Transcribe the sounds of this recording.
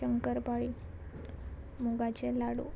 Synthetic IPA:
əŋkəɾpaɭi | muɡat͡ɕelaɽṵ

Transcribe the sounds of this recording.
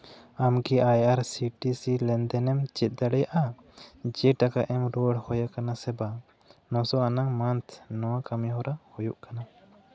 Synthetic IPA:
amɡiʔajaɾsiʈisilɛnd̪ɛnɛmt͡ʃɛt̪̚ˀd̪aɽɛjaʔa | d͡ʒɛʈakaʔɛmɾɔɽhɔjakanasɛba | nɔ̃sɔanaŋmant̪ʰnɔwakamiɦɔɾahɔjuʔkana

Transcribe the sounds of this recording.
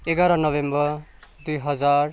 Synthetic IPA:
eɡaɾʌnʌbembʌd̪ujɦʌd͡zar

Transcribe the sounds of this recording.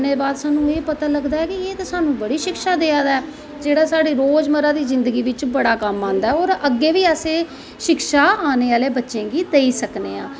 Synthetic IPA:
neːbaːd̪saːnũːeːpət̪aːləɡd̪aːɛːkɪeːt̪asaːnũːbəɽiːʃɪkʃaːd̪eːãːd̪aɛː | d͡ʒeːɽaːsaːɽeːɾoːd͡ʒməɾãːd̪iːzɪnd̪əɡiːʋɪt͡ʃbəɽaːkəmːãːnd̪aːɛɔːɾəɡːeːʋiːəsẽː | ʃɪkʃaːaːneːaːleːbətːʃẽːɡiːd̪eːiːsəkneːãː

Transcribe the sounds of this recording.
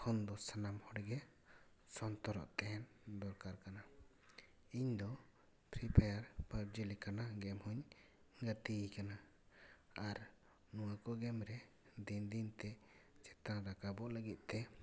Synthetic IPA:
kʰɔnd̪ɔsanamhɔɽɡɛ | sɔnt̪ɔɾɔ̰ʔt̪ɛɦɛn | d̪ɔɾkaɾkana | iɲd̪ɔ | pʰɾipʰajaɾpaɾd͡ʒilikanaɡɛmhuɲ | ɡət̪ikana | aɾ | nuwakɔɡɛmɾɛ | d̪ind̪int̪ɛt͡ʃɛt̪ãɾakabɔʔləɡit̪̚t̪ɛ

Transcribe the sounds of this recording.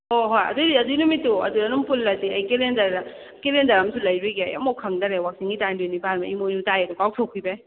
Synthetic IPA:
oɦojɐ̰dudiɐdujnumitːuɐ̰duɾɐnumpʰulːɐtiɐjkelendɐɾa | kelendɐɾɐmsʰulɐjɾuɡiɐ̰jɐ̰mokʰɐŋdɐɾewak̚siŋɡitandunibʱaɾmɐimonutajɐdukawtʰowkʰibe

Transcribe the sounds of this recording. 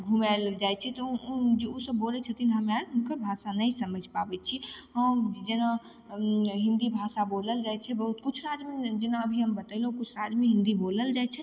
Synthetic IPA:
ɡʱumɛld͡ʒajt͡ʃʰɛt̪ɔd͡ʒeusəbːolɛt͡ʃʰət̪inɦəmeaɽɦunkəɾbʱasanəjsəməd͡ʒʱpabɛt͡ʃʰiɦəd͡ʒd͡ʒena | ɦĩnd̪ibʱasaboləld͡ʒajt͡ʃʰɛbəɦut̪kut͡ʃʰɾad͡ʒmed͡ʒenaəbʱiɦəmbət̪əlɦukut͡ʃʰɾad͡ʒmeɦĩnd̪iboləld͡ʒajt͡ʃʰɛ

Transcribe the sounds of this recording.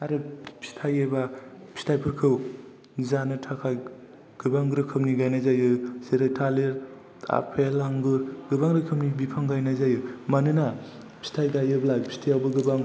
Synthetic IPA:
aɾɯpʰi̥stʰajebapʰi̥stʰajpʰɯɾkʰɯw | zanɯtʰakʰaj | ɡ̥ɯbaŋɡɯɾɯkʰɯwniɡajnajzajɯzeɾajtʰaleɾ | tʰa̰pʰelaŋɡɯɾɡɯbaŋɾɯkʰɯwnibipʰaŋɡajnazajɯmanɯna | pʰi̥stʰajɡajɯblaɡpʰi̥stʰijawbaɡɯbaŋ

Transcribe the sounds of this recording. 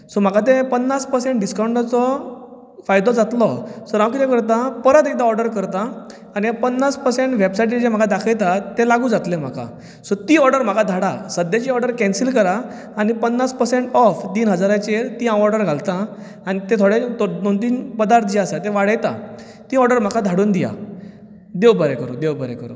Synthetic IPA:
sɔm̤akat̪̬epənːaspəɾsẽɳʈ̚ɖiskawɳʈat͡sɔ | fajd̪ɔd͡zat̪lɔsɔɾãwkit̪ek̬əɾt̪̬apəɾət̪et̪aɔɾɖəɾkəɾt̪aː | niapənːaspəɾsẽɳʈʋebsajʈ̬ed͡ʑem̤akad̪akʰəjt̪at̪elaɡũːd͡zat̪lem̤a̰ka̰ | sɔt̪iːɔɾɖəɾm̤akad̪ʱaɽa̰səd̪jad͡ʑiɔɾɖəɾkɛ̃nsilkəɾaː | nipənːaspəɾseɳʈɔft̪iːnɦəd͡zaɾãt͡ɕet̪iːãwɔɾɖəɾɡʱalt̪ã | añit̪ẽt̪ʰoɽet̪nõnt̪̬iːnpəd̪aɾt̪ʰd͡ʑiasat̪eʋaɽəjt̪a̰ | t̪iːɔɾɖəɾm̤akʰad̪ʱaɽuːnd̪ija̰ | d̪ewbəɾekəɾṵːd̪ewbəɾɛ̰kə̰ɾṵː

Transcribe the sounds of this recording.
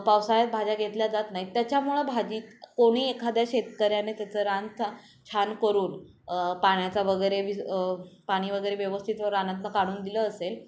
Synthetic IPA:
pawsajat̪̚bʱad͡ʑaɡʱet̪ljad͡zat̪naɦit̪jat͡ɕjamuɭəbʱad͡ʑiːt̪koɽ̃iːekʰad̪jaɕet̪kəɾjanet̪jat͡səɾant̪ʰ | t͡ɕʰankəɾuːn | paɽ̃jat͡saʋəɡəjɾeʋipaɽ̃iːʋəɡəjɾeʋjəʋəst̪ʰit̪ʋəɾanat̪nəkaɽ̃uːnd̪iləːsel

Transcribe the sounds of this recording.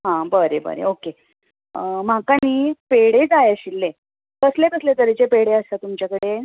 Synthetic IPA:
ɦãbəɾebə̰ɾḛoke | m̤akaniːpeɽed͡zajaɕilːe | kəslekəslet̪əɾet͡sepeɽeəsat̪umt͡ɕjakəɽe

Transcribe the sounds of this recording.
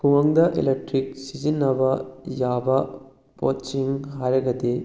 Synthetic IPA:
kuwɐŋd̪ɐʔḛlek̚ʈɾik̚sid͡ʒinːɐbɐjaːbɐ | po̰t͡ʃiŋɦaɾɐɡɐd̪e

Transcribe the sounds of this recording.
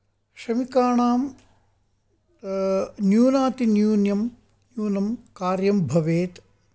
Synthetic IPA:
ʃɐmikaːɳaːm | njuːnaːt̪injuːnjɐm | njuːnɐmkaːɾjɐmbʱɐʋeːt̪

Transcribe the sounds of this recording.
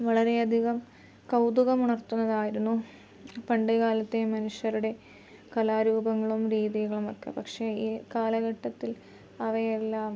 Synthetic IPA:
ʋɐɭɐɾe̞ɐd̪ʱiɣɐm | kɐwd̪uɣɐmuɳɐrt̪ːunːɐðaːjiɾunːu | pɐɳɖeɣaːlɐt̪ːemɐnuʂjɐɾuɽe̞ | kɐlaːɾuːbɐŋːɐɭumɾiːðiɣɐɭumokːḛpɐkʂe̞kaːlɐɣɐʈːɐt̪ːil | ɐʋɐjelːaːm

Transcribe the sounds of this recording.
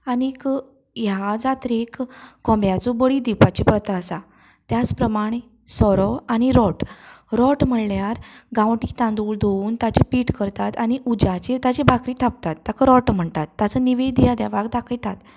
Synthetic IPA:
anik | jad͡zat̪ɾekːɔ̃mbjat͡sɔbəɭid̪ipat͡ɕepɾət̪asa | t̪jat͡spɾəmaɽ̃e | sɔɾɔaɽ̃iɾɔʈɾɔʈm̤əɽljaɾɡãwʈit̪ãnd̪uːɭd̪ouːnt̪at͡ɕepiʈkəɾt̪at̪añiʔud͡ʑat͡ɕet̪at͡ɕebʱakɾiːt̪ʰap̚t̪at̪ːakəɾɔʈm̤əɳt̪at̪ːat͡səniʋed̪jad̪jaʋaɡd̪akʰəjt̪at̪

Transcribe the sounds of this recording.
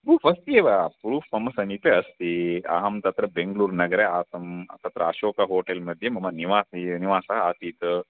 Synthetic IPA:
bʱuːfɐst̪ieʋapɾuːfɐmɐsɐnip̪eɐst̪iɐ̰ɦɐmt̪ɐt̪ɾɐbeŋɡluːɾnɐɡɾeaːsɐmt̪ɐt̪ɾɐɐʃoːkɐɦoːʈelmɐd̪ʱjemɐmɐniʋaːsiniʋaːsɐaːt̪iːt̪

